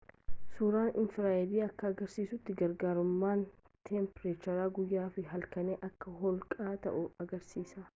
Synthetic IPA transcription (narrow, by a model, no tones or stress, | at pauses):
suːɾaːnʔɪnfɪɾaːɛd̪iːɐkːɐːɡɐɾsiːsʊt̪ːɪɡɐɾɡaːɾʊmːaːn | t̪ʰɛmpɾet͡ʃɐɾaːɡʊjːaːfɪɦɐlkɐneːʔɐkːɐɦɔlkʼaːt̪ɐ̰ʔʊɐɡɐɾsiːsɐ